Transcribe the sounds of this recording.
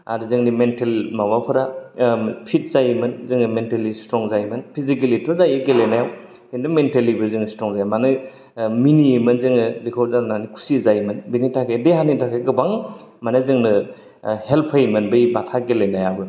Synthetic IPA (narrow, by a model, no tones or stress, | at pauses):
a̰ɾzɯŋnimentelmawapʰɯɾa | pʰit̚zajmɯnzɯŋnɯmentelistɾɔŋzajmɯnpʰizikelitʰɔzajɯɡelenajaw | endɯmentelibɯzɯŋnstɾɔŋzajmanɯ | minimɯnzɯŋnɯbikʰɔwzananikʰu̥sizajmɯnbinitʰakʰedeɦanitʰakʰeɡɯbaŋ | manɯzɯŋnɯ | helpʰajmɯnbɯjbatʰaɡelenajabɯ